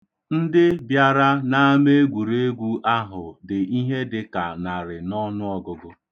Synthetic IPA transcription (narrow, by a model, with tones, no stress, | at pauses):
n̩˦dɪ˦bja˦ɾa˦na˦me˦ɡʷu˨ɾe˦e˦ɡʷu˦ʔa˦ɦʊ˨dɪ˨i˦ɦe˦dɪ˦ka˨na˨ɾɪ˨nɔ˦nʊ˦ɔ˦ɡʊ˨ɡʊ˦